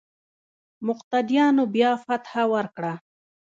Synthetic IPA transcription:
mʊqt̪ad̪ijɑnobjɑfat̪hawəɾkɽa

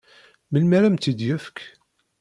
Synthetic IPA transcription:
məlmæɾæmt̪id̪jæfə̥k

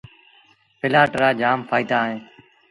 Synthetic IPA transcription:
pʰɪlaːʈɾaːd͡ʒaːmpʰaːiːd̪aːɦẽː

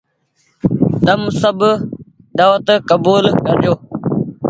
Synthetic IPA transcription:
t̪ɐmsɐb | d̪aːwət̪kɐbuːlkɐɾd͡ʒoː

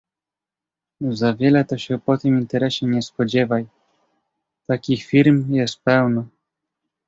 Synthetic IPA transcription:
zavʲjɛlɛt̪ɔɕɛpɔt̪ɘmint̪ɛɾɛɕɛɲɛspɔd͡ʑɛvaj | t̪akʲixfʲiɾmjɛst̪̚pɛwnɔ

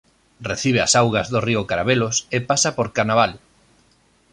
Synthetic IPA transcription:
reθiβ̞ea̰sawɣɐzðoriʊkaɾaβelosepasapoɾkanaβal

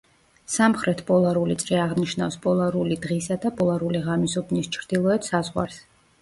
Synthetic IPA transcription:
samχɾɛt̪ʰpʼɔlˠaɾulit̪sʼɾiaʁniʃnafspʼɔlˠaɾulid̪ʁisad̪apʼɔlˠaɾuliʁamisɔbnist͡ʃʰɾd̪̥ilˠɔɛt̪sazʁwa̰ɾs

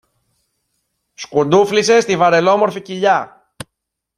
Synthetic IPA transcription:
skud̪uflise̞st̪ivɐɾe̞lo̞mo̞ɾficiʎɐ

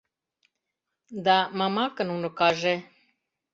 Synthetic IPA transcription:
d̪amamakənunokaʒe

